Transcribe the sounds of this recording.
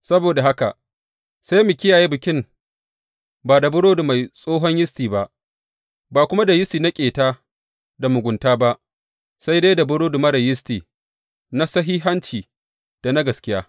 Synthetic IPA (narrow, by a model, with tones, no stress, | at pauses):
sɐ˦boː˨da˨ɦa˦ka˨ | sa˦jmʊ˨kʲɪ˦jaː˨ji˦bɪ˨kʲɪ˦m | baː˨da˨bʊ˦ɽoː˦du˨ma˨jsʼoː˦ɦɔ˦ɲjɪ˦stiː˨ba˦ʔ | baː˨kʷʊ˦ma˦da˨jɪ˦stiː˨na˦kʲʼeː˨taː˦ | da˨mʊ˨ɡʷʊ˨ntaː˦ba˦ʔ | sa˦jda˦da˨bʊ˦ɽoː˦du˨mɐ˦ɽɐ˨jɪ˦stiː˨ | na˦sɐ˦ɦiː˦ɦa˦nt͡ʃiː˨ | d̥a˨na˦ɡɐ˨skʲɪ˦jaː˦